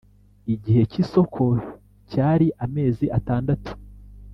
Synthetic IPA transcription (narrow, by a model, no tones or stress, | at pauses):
iɟihe̞ciso̞kʰo̞ | caːɾiʔame̞ːziʔataːndatu̥